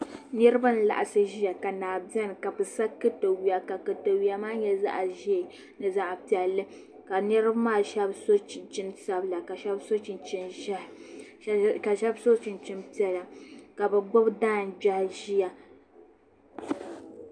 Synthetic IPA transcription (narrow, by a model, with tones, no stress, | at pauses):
nɛ˦ɾɨ˦ba˦n˨la̰˨ʔa˨sɨ˦ʒi˦ja˨ka˨naː˨bɛ˦n˨ka˨bɨ˨sa˦kːɨ˦to˨wi˦ja˨ka˨kɨ˨to˨wi˦a˦maː˦ɲɛ˦za̰˦ʔʒi˦˨ | nɨ˨za˨ʔpi˨ɛ˨lːɨ˦ | ka˨nɛ˦ɾɨ˦bmaː˦˨ʃɛ˦bso˦˨t͡ʃɪ˦nsa˦bla˨ka˨ʃɛ˦bso˦t͡ʃi˨nt͡ʃi˦nʒh | ka˨ʃɛ˦bso˦t͡ʃɪ˨nt͡ʃi˦mpi˦ɛ˦˨la˨ka˨bɨ˨ɡ͡bʊ˦bdaː˦˨n˨d͡ʒa˦hʒi˦ja˨